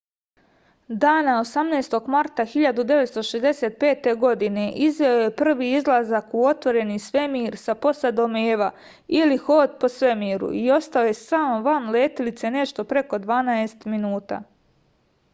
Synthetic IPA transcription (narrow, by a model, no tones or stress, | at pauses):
d̪aːnao̞samneːst̪o̞ɡmaɾt̪axiʎad̪ud̪e̞ʋe̞t̪st̪oʃezd̪eset̪̚pe̞ːt̪e̞ɡo̞d̪ine̞ʔizʋeoje̞pr̩ʋiːizlˠazakuo̞t̪ʋo̞ɾe̞nisʋe̞miːɾsapo̞sad̪omeːʋa | ilixo̞ːd̪po̞sʋe̞miːɾṵio̞st̪ao̞jesaːmoʋanleːt̪ilit̪se̞ne̞ʃt̪o̞pɾe̞ko̞d̪ʋaːnaest̪minuːt̪a̰ː